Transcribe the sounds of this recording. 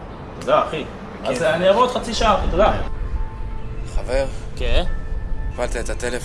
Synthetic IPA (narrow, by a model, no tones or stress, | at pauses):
t̪od̪aːχi | azeaneavot̪χat͡siʃaaχt̪od̪a | χaveʁke | ifalt̪aet̪at̪elef